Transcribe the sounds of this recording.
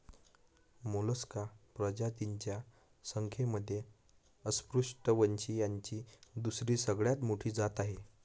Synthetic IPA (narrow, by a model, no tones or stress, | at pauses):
moləskapɾəd͡ʑat̪iɲt͡ɕja | səŋkʰeməd̪ʱːje | əspɾuʂʈəʋəɲt͡ɕiːjaɲt͡ɕiːd̪usɾiːsəɡɭjat̪moʈʰiːd͡zat̪aɦe